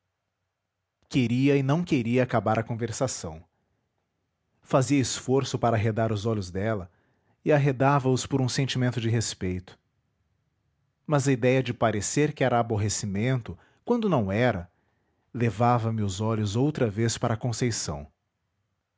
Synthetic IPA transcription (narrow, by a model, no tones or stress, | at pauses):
keɾiɐɪnɐ̃w̃keɾiɐakabaɾɐkõveɾsasɐ̰̃w̃ | faziɐɪsfoɾsʊpaɾɐaɦed̪aɾʊzɔʎʊzd̪ɛlɐ | ɪaɦed̪avɐʊspoɾũsẽnt͡ʃimẽnt̪ʊd͡ʒɪɦespejt̪ʊ̥ | mɐzɐid̪ɛjɐd͡ʒɪpaɾeseɾkɪɛɾɐːboɦesimẽnt̪ʊ | kwɐ̃nd̪ʊnɐ̃w̃ɛɾɐ | levavɐmɪʊzɔʎʊzowt̪ɾɐvespaɾɐkõsejsɐ̰̃w̃